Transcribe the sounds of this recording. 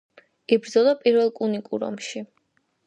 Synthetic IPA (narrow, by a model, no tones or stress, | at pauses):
ibɾd̪zɔlˠɔpʼiɾvɛlˠkʼunikʼṵɾɔ̰mʃi